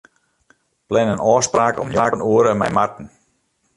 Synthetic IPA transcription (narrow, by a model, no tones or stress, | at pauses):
plɛnənɔːspraːkɔ̰mjaːkənuəɾəmɛ̰jmartn̩